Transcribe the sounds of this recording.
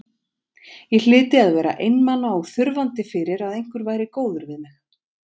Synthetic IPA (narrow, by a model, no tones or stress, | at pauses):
jɛl̥ɪːt̪ɪaðvɛːɾa̰ʔejnmanːaawθʏɾvant̪ɪfɪːɾɪɾaðejŋ̥kvʏɾvaːjɾɪkoːwðʏɾvɪðmɪx